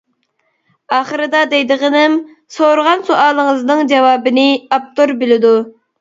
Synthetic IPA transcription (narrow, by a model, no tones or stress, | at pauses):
ɑːχəɾɨd̪ɑd̪ɛjd̪ɨʁənɪm | soɾʁɑnsoʔɑːlˠəŋəznɨŋd͡ʒɑwɑːbɨnɪɑp̚t̪oɾbɪlɪd̪u